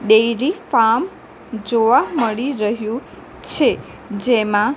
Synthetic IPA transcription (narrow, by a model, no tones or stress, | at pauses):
ɖejɾifam | d͡ʒoʋaməɭiɾəɦjũ | t͡ʃʰe | d͡ʒemã